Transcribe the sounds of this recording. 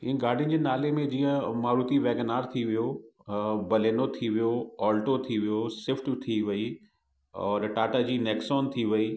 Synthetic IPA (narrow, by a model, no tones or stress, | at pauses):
ɦĩːɡaːɖʱin̆d͡ʑeːnaːlemẽd͡ʑĩːə̃maːɾuːt̪iʋɛːɡnaːɾt̪ʰiʋijo | bɐleːnot̪ʰiʋijoɔːlʈot̪ʰiʋijosɪfʈt̪ʰiʋɐi | ɔːɾʈaːʈəd͡ʑiːneːksɔːnt̪ʰiʋɐiː